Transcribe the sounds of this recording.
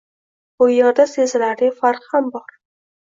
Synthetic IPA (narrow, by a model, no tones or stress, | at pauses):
bʊjɒd̪asezɪlaɾɪfaɾqhambɒɾ